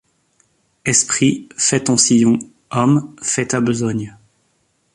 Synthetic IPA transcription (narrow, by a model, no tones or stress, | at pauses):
ɛspχifɛt̪ɑ̃sijɔ̃ | ɔmfɛt̪abəzɔɲ